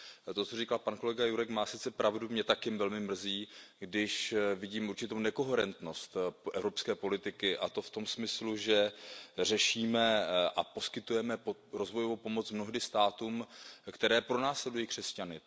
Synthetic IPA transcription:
t̪ot͡so̞riːkalpanko̞lɛɡajuɾɛkmaːsɪt͡sɛpɾʔavdumɲɛt̪akjɪmvɛlmɪmr̩ziːɡdɪʃvɪɟiːmuɾt͡ʃɪt̪ownɛko̞ɦɛɾɛnt̪no̞st̪ʔɛvɾo̞pskɛːpo̞lɪt̪ɪkɪʔat̪o̞ft̪omsmɪsluʒɛr̝ɛʃiːmɛʔapo̞skɪt̪ujɛmɛoɾozvo̞jovowpo̞mot͡smno̞ɦdɪst̪aːt̪uːmkt̪ɛɾɛːpɾo̞naːslɛdujiːkr̥ɛscanɪ

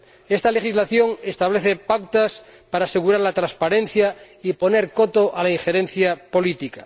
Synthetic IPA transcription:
est̪ale̞xizlaθjoŋest̪aβleθepakt̪aspaɾaːseɣ̞uɾaɾlat̪ɾãnspaɾẽ̞n̟θja | ipo̞ne̞ɾkot̪oʔalaiŋxeɾen̟θjapo̞lit̪ika

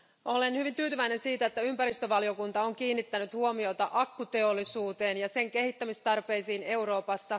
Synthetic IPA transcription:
o̞le̞nhyʋint̪yːt̪yʋæine̞nsiːt̪æet̪ːæympæɾist̪øʋɑlio̞kunt̪ɑoŋkiːnːit̪ːænyt̪huo̞mio̞t̪ɑʔɑkːut̪e̞olːisuːt̪e̞ːnjɑse̞ŋke̞hit̪ːæmist̪ɑrpe̞jsiːne̞uɾo̞ːpɑsːɑ

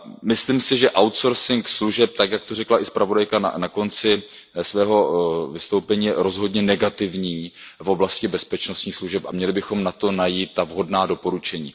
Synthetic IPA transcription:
mɪslimsɪʒɛʔawt̪so̞ɾsɪŋksluʒɛp̚t̪akjak̚t̪orɛklaʔɪspɾavo̞dajkana̰nako̞nt͡sɪ | svɛːɦo̞vɪst̪owpɛɲiːjɛɾozɦo̞dɲɛnɛɡat̪ɪvɲiːfo̞blascɪbɛspɛt͡ʃnost̪ɲiːxsluʒɛpamɲɛlɪbɪxo̞mnat̪o̞najiːt̪ːavɦo̞dnaːdo̞po̞ɾut͡ʃɛɲiː

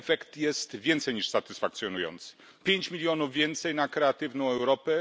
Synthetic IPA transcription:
fɛkt̪jɛst̪vʲjɛnt̪sɛjɲiʂsat̪ɘsfak̚t̪sʲjɔnujɔ̰nt̪sɘ̥ | pʲjeɲt͡ɕmʲilʲjɔnuvvʲjɛnt̪sɛjnakɾɛat̪ɘvnɔ̃w̃ɛwɾɔpɛ

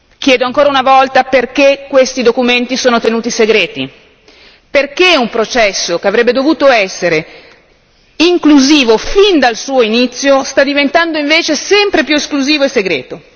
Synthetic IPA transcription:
k̟jɛːd̪oaŋkoːɾaunavɔlt̪aperkekːwest̪id̪okument̪isoːnot̪enuːt̪iseɡɾeːt̪i | perkeumpɾot͡ʃɛsːokeavɾɛbːed̪ovuːt̪oɛsːeɾe | iŋkluziːvofind̪alsuːoinit̪sːjost̪ad̪ːivent̪and̪oiɱveːt͡ʃesɛmpɾepjueskluziːvoeseɡɾḛːt̪o

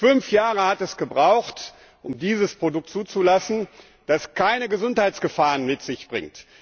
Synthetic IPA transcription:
fʏnfjaːʁəhatɛsɡ̥əbʁaʊxt | ʔʊmdiːzəspʁ̥odʊk̚tt͡suːt͡sulasn̩ | d̥askʰaɪnəɡəzʊnthaɪtt͡sɡ̥əfaːʁənmɪtz̥ɪçb̥ʁɪ̰ŋt

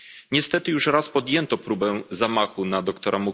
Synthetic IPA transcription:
ɲɛst̪ɛt̪ɘjuʂɾaspɔd̪jɛnt̪ɔpɾubɛzamaxunad̪ɔkt̪ɔɾamu

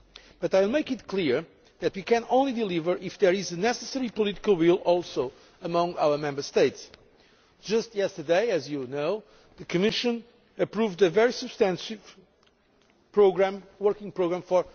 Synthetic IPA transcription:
b̥ʌtajwlˠmeɪkɨtkʰliɹ | ðɨt̪wikɨ̃nõʊ̃nlid̪ɨlivə˞ʔɪfðɛɹɪzɨnɛsɨsɛɹipɔliti̥kəlˠwilˠɔlˠso | əmʌ̃ŋaʊwə˞mɛ̃mbə˞st̪eɪts | d̥ʒ̥ʌstjɛstə˞deɪɨzjɨnoʊ | ðɨkʰɨmɪʃɨ̃n | ɨpɹuvd̪ɨvɛɹisɨb̥st̪æ̃nsiv̥ | pɹoɡɹæ̃mwɜɹkĩŋpɹoʊɡɹæ̃mfɔɹ

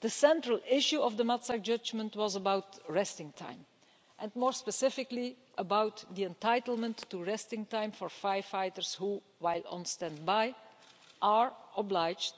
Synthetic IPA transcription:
d̥̪əsɛ̃ntɹəlˠɪʃuɔvd̪əmatsak̚d͡ʒʌd͡ʒmə̃ntwɔzəbawtɹɛstɪ̃ŋtʰã̰ɪ̃m | ʔɛ̃nmɔːɹspəsɪfɪkli | ʔəbawtd̪iɛ̃ntaɪtəl̩ˠmə̃ntːuɹɛstɪ̃ŋtãɪ̃mfɔɹfaɪ̥faɪtəɹshu | waɪlˠə̰̃nstɛ̃nd̚baɪ | ʔaɹɔblaɪd͡ʒt

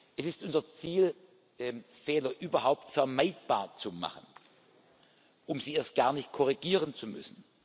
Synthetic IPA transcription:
ʔɛsɪstʔʊnzɐt͡siːl | ʔɛfɛːlɐʔyːbɐɦaʊptfɛɐmaɪt̚b̥a̰ːɐt͡suma̰χən | ʔʊmziːeːɐst̚ɡ̥aːɐnɪçt̚kʰɔʁiɡiːʁənt͡sumʏ̰sn̩

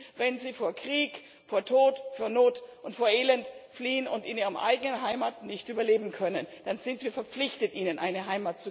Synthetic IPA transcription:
vɛnziːfoːɐkʁ̥iːk | foːɐtʰoːtfoːɐnoːtʔʊntfoːɐʔeːlɛntfliːənʊntɪnʔiːʁəmʔa̰ɪɡənənɦaɪmatnɪçtʔyːbɐleːbm̩kʰœnənd̥anzɪntv̥iːɐfɛɐp͡flɪçtətʔiːnənʔaɪnəɦaɪmaːt̚t͡su

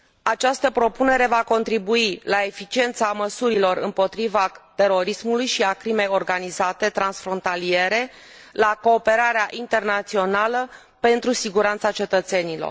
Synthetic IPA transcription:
at͡ʃast̪əpɾo̞pune̞ɾe̞vako̞nt̪ɾibuilae̞fit͡ʃie̞nt̪saməsuɾilo̞ɾɨ̰mpo̞t̪ɾivat̪e̞ɾo̞ɾismulujʃiakɾime̞jo̞rɡanizat̪e̞t̪ɾansfɾo̞nt̪alie̞ɾe̞ | lako̞ːpe̞ɾaɾeaʔint̪e̞rnat̪sio̞nalə | pe̞nt̪ɾusiɡuɾant̪sat͡ʃe̞t̪ət̪se̞nilo̰r

